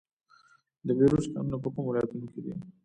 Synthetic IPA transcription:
d̪əbeɾuska̰mnapəkʊmwɪlajat̪unoked̪ḭ

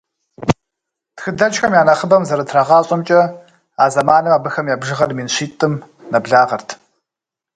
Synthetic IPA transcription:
txɨdɐt͡ʃxɐmjaːnɐχəbɐmzɐɾɐtʰrɐʁɑːɕʼɐmt͡ʃʼɐ | aːzɐmaːnɨmaːbɨxɐmjaːbʒɨʁɐrmiːnɕiːtʼɨm | nɐbɮaːʁɐrtʰ

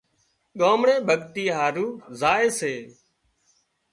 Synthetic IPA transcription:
ɠoːmɳẽːbʱəɠt̪iːɦaːɾuːzaːeːseː

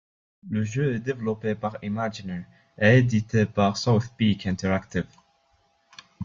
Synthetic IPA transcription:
ləʒøɛd̪evlopepaʁimad͡ʒinɛɹ | ɛːd̪it̪epaʁsɔwθpikɪ̃nt̪əɾakt̪ɪv

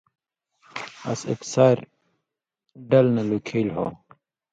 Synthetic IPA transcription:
ɐ̰sḛksaːɾ | ɖɐlnɐlukʰelɦo̰

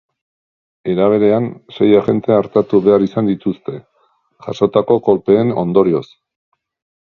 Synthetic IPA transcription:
e̞ɾaβ̞e̞ɾe̞anse̞jaʝe̞nt̪e̞aɾt̪at̪uβe̞arisand̪it̪ust̪e̞ | ʝa̰so̞t̪ako̞ko̞lpe̞ːno̞̰nd̪o̞ɾio̞s

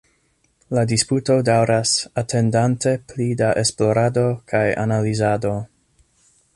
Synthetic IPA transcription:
ladisputo̞dawɾasatʰe̞ndante̞plidaʔe̞splo̞ɾado̞kʰaja̰nalizado̞

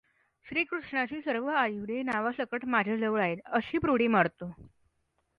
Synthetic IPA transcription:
ɕɾiːkɾuʂɳat͡ɕiːsəɾʋəajuʋd̪enaʋasəkəʈmad͡ʑʱad͡zəʋɭaeləɕiːpɾoɽimaɽt̪o

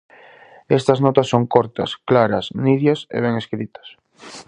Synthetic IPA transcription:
ɛst̪ɐznɔt̪ɐsːoŋkɔɾt̪ɐ̰sklaɾɐsniðjɐsḛβ̞ɛŋeskɾit̪ɐ̥s

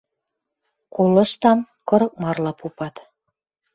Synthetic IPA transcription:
kulə̆ʃt̪ɑm | kɤ̆ɾɤ̆k̚mɑrlɑpupɑt̪

